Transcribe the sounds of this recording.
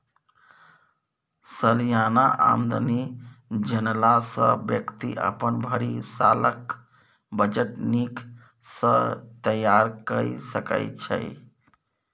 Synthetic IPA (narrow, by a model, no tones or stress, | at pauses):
səljanaʔa̰nd̪ʱənid͡ʒənlasə̰̃bjəkt̪iʔə̰pənbʱəɽisa̰lək | bəd͡ʒəʈnik | sə̃t̪əjaɾkəisəkə̰jt͡ʃʰə̰j